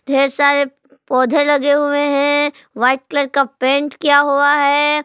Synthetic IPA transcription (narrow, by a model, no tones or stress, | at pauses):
d̪ʱeːɾsaːɾe | pɔːd̪ʱelɐɡeɦʊeɦɛ̃ | ʋaːɪʈ̚kləɾkapẽːɳʈkjaɦʊaɦɛː